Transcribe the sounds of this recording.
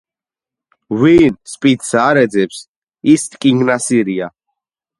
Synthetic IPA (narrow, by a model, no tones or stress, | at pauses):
winspʼit̪saːɾɛd̪zɛps | ist̪ʼkʼiŋɡnasiɾia